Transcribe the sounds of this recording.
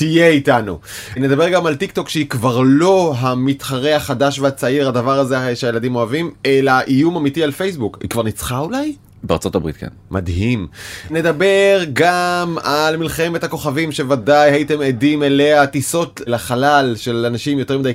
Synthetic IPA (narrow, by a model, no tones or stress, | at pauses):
tijeitanṵ | ne̞d̪abe̞ʁɡamalt̪ik̚t̪o̞kʃeikvaʁlo̞ɦamit̪χaʁeaχadaʃveat͡saiʁadavaʁazeʃeaje̞ladimo̞avime̞laʔijumamitialfe̞jsbukḭkvaʁnit͡sχaulaj | bea̰ʁt͡so̞tabʁḭt̚ka̰nmʔa̰dɦimne̞d̪abe̞ʁɡamalmilχe̞me̞thako̞χavimʃe̞vadajhaite̞medimeleatiso̞tlaχalalʃelanaʃimjot̪e̞ʁmidaj